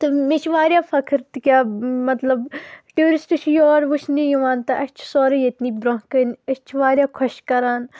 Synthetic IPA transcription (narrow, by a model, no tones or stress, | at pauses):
t̪ɨmet͡ʃʰʋaːɾʲjaːfʰɐkʰɨɾt̪kʲaːmɐt̪lɐbʈeːɾisʈut͡ʃʰjɔːɾʋut͡ʃʰnijuʋaːnt̪ɐʔɐt͡ʃʰsoːɾejet̪niːbɾɐɦkənɐt͡ʃʰiʋaːɾʲjaːkʰɐʃkɐɾaːn